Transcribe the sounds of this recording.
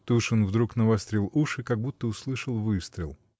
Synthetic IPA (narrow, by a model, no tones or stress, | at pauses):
t̪oʊʂonvd̪ɾuknəvɐst̪ɾʲilˠuʂɨkɐɡ̚but̪ːəʊslˠɨʂəlˠvɨst̪ɾʲɪlˠ